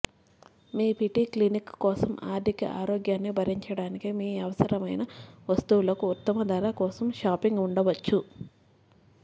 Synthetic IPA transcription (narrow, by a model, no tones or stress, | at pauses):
miːpiʈiklinikkɔːsɐma̰ːɾd̪ʱikɐ̰ʔa̰ːɾoːɡjaːnːibʱɐɾiɲt͡ʃɐɽaːnikimiːɐʋɐsɐɾɐmɐjnɐʋɐst̪uwulɐkuut̪ːɐmɐd̪ʱɐɾakɔːsɐmʃaːpiŋɡuɳɖɐʋɐt͡ʃːu